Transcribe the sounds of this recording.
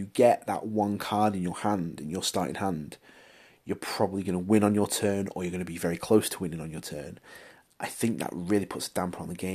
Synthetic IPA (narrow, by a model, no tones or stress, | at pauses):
jəɡɛʔðə̰ʔwʌ̃nkʰɑɹɾɪ̃njəhãndɪ̃njəstɑˑɹʔɪ̰̃ŋhãnd̥ | jə˞pʰɹ̥ɒbəbliɡʌnəwɪ̃nə̃njətʰɜːnə̰jəɡʌnəbivɛɹikʰl̥oʊstʰəwɪ̃nɪ̃ŋə̃njətʰɜːn | ʔa̰ɪθɪ̃ŋk̚ðə̰ʔɹɪəlˠipʰʊtsəd̥ãmpʰəɹə̃nðəɡẽɪ̃